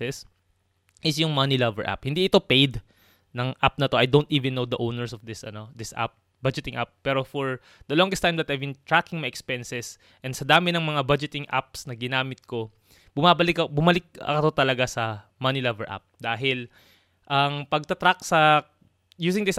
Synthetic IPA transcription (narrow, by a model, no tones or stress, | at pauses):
ɛs | ʔɪsjʊŋmɐnilɐvɛ̰ɹʔa̰p̚hɪnd̪iʔɪt̪o̞pejd̪ | nɐŋʔap̚nɐt̪o̞ʔɐjd̪ont̪ʔiːvɪ̃nːowd̪ɐʔownɛɹsɔfd̪ɪsɐ̰no̞d̪ɪsʔa̰p̚ | bɐd͡ʒɪt̪ɪ̃ŋʔap̚ːɛːɾofɔɹ | d̪ɐlɔ̃ŋɡɛst̪ãjmd̪ɐt̪ajvbɪ̃nt̪ɹakɪ̃ŋmɐjɛkspɛnsɛs | ʔɛ̃nd̪sɐd̪aːmɪnɐŋmɐŋabɐd͡ʒɛt̪ɪŋʔa̰p̚snɐɡɪnaːmɪt̪̚ko̞ | b̥ʊmaːbɐlɪkːbʊmɐlɪk̚kɐt̪o̞t̪ɐlɐɡasɐmɐnɪlɐvɛɹʔa̰p̚d̪aːɦɪl | ʔɐŋpɐɡ̚t̪ɐt̪ɾak̚sɐ | juːsɪ̃ŋd̪ɪs